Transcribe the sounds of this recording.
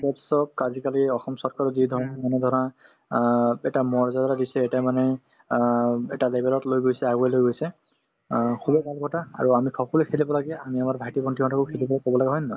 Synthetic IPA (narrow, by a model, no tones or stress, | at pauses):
bɔtsɔb̚kazikaliɔxɔmsɔɹkʰaɹɔzid̪ʱɔɹɔnmanɛd̪ʱɔɹɔna | ɛtamɔɹzadaɾadisɛɛtamanɛ | ɛ̰talebɛlɔtlojɡojsɛaɡuɛlojɡojsɛ | kʰubɛbʱalbʰɔtaa̰ɹuamikʰɔkɔlekʰelibɔlaɡɛa̰miamaɹbʱajtibɔntʰiɔtʰakɔkʰelibɔlajkɔbɔlaɡɛɦɔjnnɔj